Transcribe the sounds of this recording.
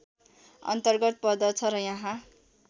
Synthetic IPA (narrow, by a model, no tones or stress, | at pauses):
ʌ̰nt̪ʌrɡʌt̪̚pʌd̪ʌt͡sʰʌɾʌjãɦã